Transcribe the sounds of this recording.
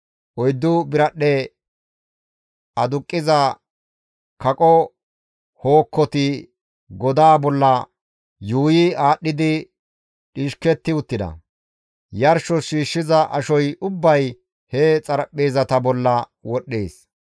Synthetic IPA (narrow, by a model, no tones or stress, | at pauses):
ʔɔjd̪ːʊbɪɾɐɗɛ | ɐd̪ʊkʼːɪzɐ | kɐkʼɔ | hoːkːɔt̪ɪ | ɡɔd̪aːbɔlːɐ | juːjɪaːɗːɪd̪ɪ | ᶑiːʃkɛt̪ːɪʊt̪ːɪd̪ɐ̰ | jɐɾʃɔʃiːʃːɪzɐʔɐʃɔjʔʊbːɐj | het͡sʼɐɾɐpʼːe̞ːzɐt̪ɐbɔlːɐ | wɔɗːḛːs